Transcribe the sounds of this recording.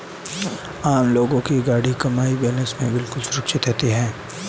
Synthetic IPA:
aːmloːɡõkiɡaːɽikɐmaːibɛːlə̃nsmẽbɪlkʊlsʊɾɐkʃɪt̪ɦɛt̪eɦɛ̃ː

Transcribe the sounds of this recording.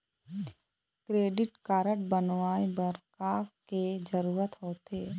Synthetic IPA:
kɾeːɖɪʈkaːɾəʈ̚bənʋaːebəɾkaːked͡ʒəɾuːɾət̪ɦoːt̪eː

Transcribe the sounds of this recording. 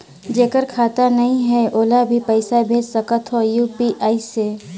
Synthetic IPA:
d͡ʒeːkəɾkʰaːt̪anɐɦĩɦɛʔoːlabʱipəɪsabʱeːd͡ʒsəkət̪ɦojuːpiʔaːiseː

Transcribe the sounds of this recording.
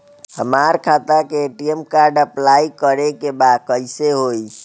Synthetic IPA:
həmaɾkʰat̪akeːʈiemkaɾɖəplaikəɾekebad̪kəjseɦoi

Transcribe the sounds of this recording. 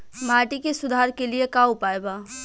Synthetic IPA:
maːʈikesʊd̪ʱaɾkeliekaupaeba

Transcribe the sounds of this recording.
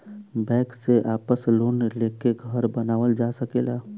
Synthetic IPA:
bɛ̃ːkseʔaːpəsloːnleːkeɡʱəɾbənaːʋəld͡ʒasəkeːlaː

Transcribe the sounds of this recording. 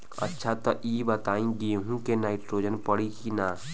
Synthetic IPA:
ə̰tːʃʰat̪ɔʔibət̪aːĩɡ̪ieɦũkenaːɪʈɾoːd͡ʒənpəɽikina

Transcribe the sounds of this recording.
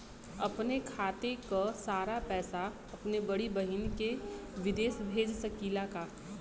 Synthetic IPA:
ɐpnekʰaːt̪ekasaːɾapɛːsa | ɐpnebɐɽibəɦinkeʋɪd̪eːsbʱeːd͡ʒsəkiːlaka

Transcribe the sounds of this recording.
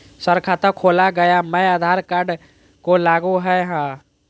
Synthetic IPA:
səɾkʰat̪əkʰoːlaɡəjaməjad̪ʱaɾkaɾɖ | kolaːɡuɦɛɦãː

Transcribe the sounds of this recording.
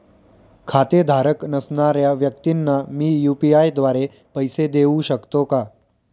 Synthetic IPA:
kʰat̪ed̪ʱaɾəknəsnaɾjaʋjək̚t̪inːamiːjupiajd̪ʋaɾe | pəjsed̪eũɕəkt̪oka

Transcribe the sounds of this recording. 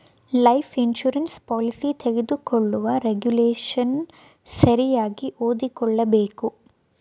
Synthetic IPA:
lɐjpʰinʃuɾɐnspaːlisit̪ʰeɡed̪ukɔɭːuʋɐɾeɡjuleːʃɐn | sɐɾijaːɡiʔoːd̪ikɔɭːɐbeːku

